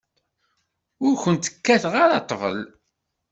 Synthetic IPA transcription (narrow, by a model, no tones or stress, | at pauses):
ʊɾçənt̪ə̥kːæθʁaɾɑt̪ˤːvə̰l